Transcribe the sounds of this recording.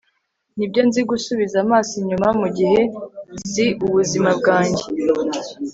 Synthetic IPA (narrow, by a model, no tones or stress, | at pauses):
nibjo̞nziɡusuβizamaːsiɲumamuɟihe̞ziʔuβuzimabɡaːɲɟe